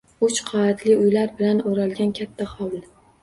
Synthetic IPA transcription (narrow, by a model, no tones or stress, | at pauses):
ʊt͡ʃqʰɑat̪ʰlɪʊjlaɾbɪlanoɾalɡʲankʲʰat̪ʰːaχɒwl